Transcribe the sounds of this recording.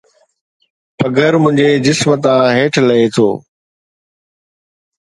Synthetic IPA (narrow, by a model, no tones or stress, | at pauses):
pɐɡəɾmʊ̃ɦɪ̃ɲd͡ʑed͡ʑɪsmət̪ãːɦeːʈʰlɐet̪ʰo̰ː